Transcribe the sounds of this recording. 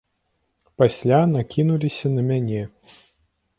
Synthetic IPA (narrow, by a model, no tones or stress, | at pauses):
pasʲlʲanakʲinulʲisʲɐnɐmʲanʲɛ